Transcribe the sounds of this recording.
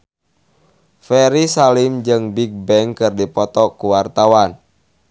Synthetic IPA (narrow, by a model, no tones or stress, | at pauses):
fɛɾisalimd͡ʒɨŋbik̚bɛŋkɨrdipɔt̪ɔkuwart̪awan